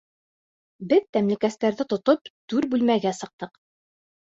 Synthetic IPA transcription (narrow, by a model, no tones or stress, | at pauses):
bɘðt̪æmlɘ̆kæst̪æɾðɘt̪ŏt̪opt̪ʉɾbʉlmæɡæsɤ̆q̚t̪ɤq